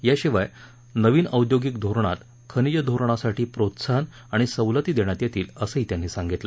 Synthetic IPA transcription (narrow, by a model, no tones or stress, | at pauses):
jaɕiʋaj | nəʋiːnəwd̪joɡikd̪ʱoɾɳ̃at̪ | kʰənid͡ʑəd̪ʱoɾɳ̃asaʈʰiːpɾot̪saɦən | aɽ̃isəwlət̪iːd̪eɳ̃jat̪jet̪iːləsəiːt̪jan̤ːiːsaŋɡit̪lə